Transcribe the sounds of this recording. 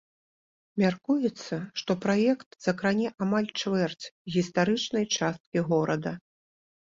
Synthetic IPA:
mʲarkujɛt̪sːɐʂt̪ɔpɾajɛkt̪z̥ɐkɾanʲɛʔamalʲt͡ʂvɛrt͡sʲɣʲist̪aɾɨt͡ʂnɐjt͡ʂast̪̚kʲiɣɔɾɐd̪ɐ

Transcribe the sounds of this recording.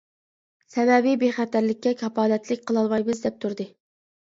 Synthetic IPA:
sɛvɛbibeχæt̪æɾlɪkʲːɛkʲʰɑpɑːlɛt̪ʰlɪkʲqʰəlˠɑlˠmɑjbɨzd̪ɛp̚t̪ʰuɾd̪ɨ

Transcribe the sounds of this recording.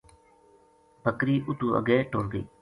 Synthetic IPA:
bʱəkɾiːʔʊt̪uːə̰ɡeːʈoːɾd̪ḭː

